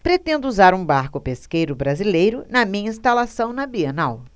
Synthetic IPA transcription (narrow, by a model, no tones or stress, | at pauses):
pɾet̪ẽnd̪ʊuzaɾũbaɾkʊpeskejɾʊbɾazilejɾʊnɐmĩɲɐĩst̪alasɐ̃w̃nɐbienaw